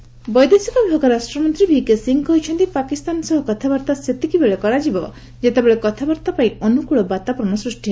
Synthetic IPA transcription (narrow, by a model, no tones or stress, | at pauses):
bɔjd̪esikɔbibʱaɡɔɾasʈɾɔmɔnt̪ɾibʱikesiŋɡɦojt͡ʃʰɔnt̪ipakist̪anɔsɔɦɔkɔt̪ʰabɔɾt̪aset̪ikibeɭekɔɾad͡ʒibɔ | d͡ʒet̪ebeɭekɔt̪ʰabɔɾt̪apaĩɔnukuɭɔbat̪apɔɾɔɳɔsɾusʈiɦ